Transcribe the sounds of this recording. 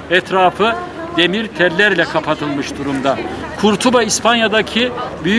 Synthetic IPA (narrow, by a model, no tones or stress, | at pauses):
ɛt̪ɾaːfɯ | d̪̥e̞miɾt̪ʰɛɾlʲæɾlʲɛkʰapʰat̪ʰɯlˠmɯʃd̪uɾumd̪akʰuɾt̪ʰubaispʰanjad̪acʰibyj